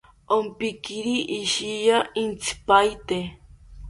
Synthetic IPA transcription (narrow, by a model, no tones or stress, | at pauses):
ompikiɾiʔːʃijaint͡sʰi̥pajt̪e